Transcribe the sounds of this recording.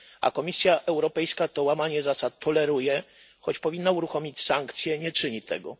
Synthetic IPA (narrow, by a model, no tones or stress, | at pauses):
ʔa̰kɔmʲisʲjaʔɛwɾɔpɛjskat̪ɔwamaɲɛzasat̪̚ːʰɔlɛɾujɛ | xɔt͡ɕpɔvʲinːauɾuxɔmʲit͡ɕsaŋkt̪sʲjɛɲɛt͡ʂɘɲit̪ʰɛ̰ɡɔ̰